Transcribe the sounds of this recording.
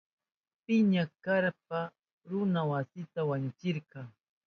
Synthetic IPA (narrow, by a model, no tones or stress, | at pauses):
pɪɲakaɾp̚a | ɾʊnawasɪt̪awant͡ʃɪɾqɑŋ